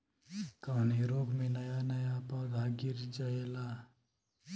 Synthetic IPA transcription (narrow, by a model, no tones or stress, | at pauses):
kəneɾoːɡmenəjanəjapaɡʱaɡiɾd͡ʒaɦela